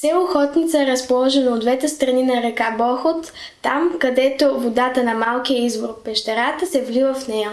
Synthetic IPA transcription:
sɛoxɔt̪nit̪səɛɾəspolˠɔʒɛnɐod̪vɛt̪ɛst̪ɾɐninɐɾɛkabɔxot̪ː | amkɐd̪ɛt̪ovod̪at̪ənɐmalˠkijəizvoɾpɛʃt̪ɛɾat̪əsɛvlivəfnɛjə

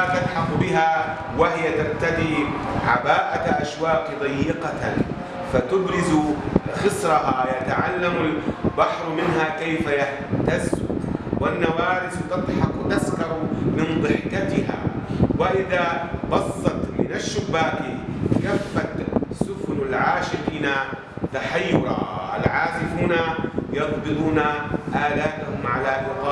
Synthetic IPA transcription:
at̪ɪdħɑqbɪha | wahɪjat̪aɾt̪ad̪iːʕabaːʔaʔaʃwaːqd̪ˤɑjːɪqɑ | fat̪ʊbɾɪzuxɨsɾˤɑɦajat̪aʕalːamalbɑħɾˤmɪnhakajfajaħ | t̪az̰wanːawaːɾɪθt̪ɨd̪ˤħɑqt̪askɑɾmɪnd̪ˤɑɾːkat̪ɪɦa̰wɪʔɪðabɑsˤːɑt̪mɪ̰naʃːʊbːaːkikafːat̪sʊfnalʕaːʃɪfiːna | t̪aħajːʊɾˤɑ̰ʔa̰lʕaːzɪfhʊnajɑt̪bɨluːnaʔaːlaːt̪ahʊmʕalalʊqɑː

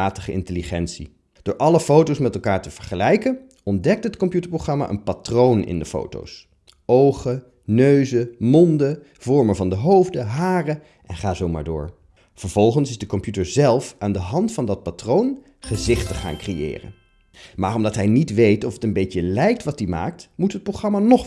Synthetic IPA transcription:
aːtəχəʔɪ̰ntəliχɛntsḭ | d̥ʊːɹʔɑləfowtowsmɛtɛlˠkaːɹtəv̥əɹχəlɛjkən | ɔndɛk̚tɦətkɔmpjutəɹproχrɑma̰ʔə̰npatrownɪ̰ndəfo̰wto̰ws | owχə | nøɥzəmɔndə | v̥ɔɹməvɑndəɦowvdəɦaːrə | ʔɛnχaːzowma̰ːɹdʊ̰ːɹ | v̥əɹv̥ɔlˠχənsɪzdəkɔmpjutəɹzɛlˠfaːndəɦɑntfɑndɑt̚patrown | χəzɪχtəχa̰ːnkrejɪ̰ːrə̰n | maːrɔmdɑtɦɛjnitʋejtɔfətənbejcəlɛjk̚tʋɑt̚dima̰ːk̚tmutɦət̚prowχrɑmanɔχ

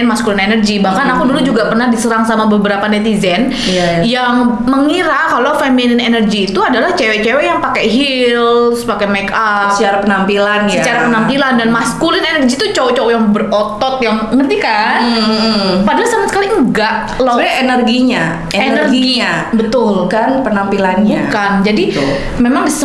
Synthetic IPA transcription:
nmaskulinenərɡibahkanakudulud͡ʒuɡapərnahdisəɾaŋsamabəbəɾapanɛt̪izɛn | ja | jaŋ | məŋiɾakalofeminɪnenərɡiːt̪uadalaht͡ʃɛwɛt͡ʃɛwɛjaŋpakɛɦillspakɛmɛkasəaɾapənampilanjsəat͡ʃaɾapənampilandanmaskulɪnenərɡit̪ut͡ʃawt͡ʃɔwjaŋbərɔt̪ɔt̪̚jaŋmənt̪ika | padalasamasəkaliəŋɡaʔ | labaenərɡiɲa | eennərɡɡiiɲa | bət̪ʊlkanpənampilanɲuakand͡ʒadḭ | memaŋbis

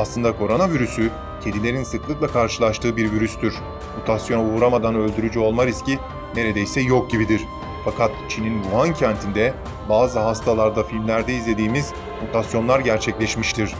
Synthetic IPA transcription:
aslˠɯnd̪akʰo̞ɾo̞naviɾysy | cʰe̞d̪ilʲe̞ɾinsɯklˠɯklˠakʰaɾʃɯlˠaʃt̪ʰɯːbiɾviɾyst̪ʰyɾ̥ | mut̪ʰasjo̞nuuɾamad̪anø̞lʲd̪yɾyd͡ʒyo̞lˠmaɾisci | ne̞ɾe̞d̪ejsɛjo̞k̚ɟibid̪iɾ̥ | fakʰat̪̚t͡ʃʰininbuɦancʰænt̪ʰind̪ɛ | baːzɯɦast̪ʰalˠaɾd̪afilʲmlʲæɾd̪ɛizlʲe̞d̪iːmiz | mut̪ʰasjo̞nlˠaɾɟæɾt͡ʃʰɛclʲɛʃmiʃt̪ʰiɾ̝̥

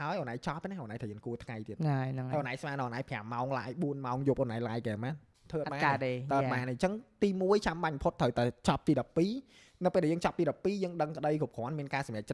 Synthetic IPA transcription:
haəjʔonaːjt͡ɕɑp̚ʰːɛnɛhʔoːnaːjt̪ʰaːjəːŋkuət̪ʰŋajt̪iət̪ajnaʔonʔaːjsmaːnɨʔnʔajpʰɛamːaɔŋla̰ːjɓuənmaɔŋjouːp̚ʔonaːjlaːjkɛːmaːn | t̪ʰəʔət̪̚ɓaaeːt̪əːɓaːnet͡ɕəŋt̪iːmuəjt͡ɕamɓaɲmpʰot̪ʰːəwt̪aɛt͡ɕɑp̚t̪iːɗɑpːiː | nɨwpeːlɗɛːjəːŋt͡ɕɑp̚t̪iːɗɑpːiːjəːŋɗəŋkə̆ɗəjkʰup̚kʰŏənmiənkaːsɑmjɛək̚t͡ɕə

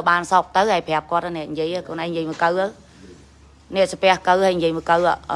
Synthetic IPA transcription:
əwɓaːnsɑːk̚t̪əwhaɛjpʰɛ̆əp̚kŏət̪̚ʔanɛ̆əʔɲjiəjakoːnʔajɲjiəjmɨːkəwʔəw | nɛ̆əʔsapɛ̆əhkəwhəjɲjiəjmɨəkəwʔa̰ʔ

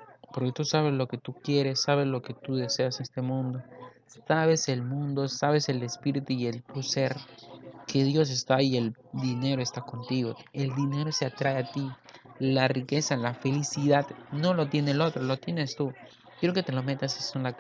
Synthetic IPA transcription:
po̞ɾke̞t̪usaβ̞e̞zlo̞ke̞t̪ukje̞ɾe̞sːaβezlo̞ke̞t̪uðe̞se̞ase̞st̪e̞mũnd̪o̞ | saβe̞se̞lmũnd̪o̞saβe̞se̞le̞spiɾit̪uie̞lt̪use̞ɾke̞ðjo̞s̬est̪aːie̞l | d̪ine̞ɾoe̞st̪ako̞nt̪iɣo̞e̞ld̪ine̞ɾo̞seat̪ɾae̞at̪ilarike̞salafe̞lisiðaðno̞lo̞t̪̬je̞nelo̞t̪ɾolo̞t̪je̞ne̞st̪u | kjeɾoke̞t̪e̞lo̞me̞t̪asessonla

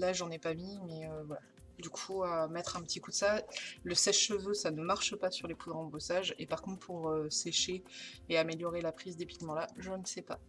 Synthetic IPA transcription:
laʒɑ̃nɛpamimɛøvwala | d̪ykʰuamɛt̪χɛ̃pət̪ikud̪əsaləsɛʃːəvøsanəmaʁʃəpasyʁlepʰud̪ʁɑ̃bosaʒepaʁ̥kɔ̃t̪χpʰuʁøseʃeːameljɔʁelapχizd̪epik̪mɑ̃laʒənəsɛpa̰

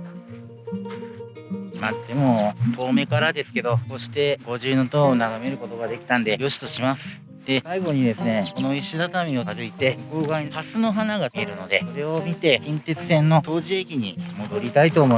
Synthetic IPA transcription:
mat̪ːe̞mo̞t̪ʰo̞ːme̞kaɾad̪e̞sɨ̥ke̞d̪o̞ko̞ɕi̥t̪e̞ɡo̞ʑɨːnot̪oːnaɡame̞ɾɯ̟ko̞t̪o̞ɡad̪e̞kʲi̥t̪ãnd̪e̞ɡʲo̞ɕi̥t̪o̞ɕimasɨ̥ | d̪̥e̞saiɡo̞ɲ̟id̪e̞sɨne̞ko̞no̞iɕid̪at̪amʲio̞taɾɯ̟it̪e̞koːɡaihasɨno̞ɦanaɡaeɾɯ̟no̞d̪e̞koɾe̞omʲit̪e̞kʲẽnt̪e̞t͡sɨ̥sẽ̞nːo̞t̪o̞ːʑie̞kʲiɲ̟imo̞d̪o̞ɾʲit̪ait̪o̞ːmo

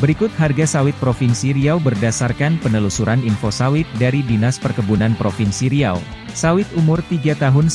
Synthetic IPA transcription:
bəɾikʊt̪̚harɡasawɪt̪̚pɾofɪnsiɾiawbərdasarkanpənəlusuɾʔaninfosawɪt̪̚daɾidinaspərkəbunanpɾofɪnsiɾia̰w | sawɪt̪̚umʊrt̪iɡat̪aɦʊn

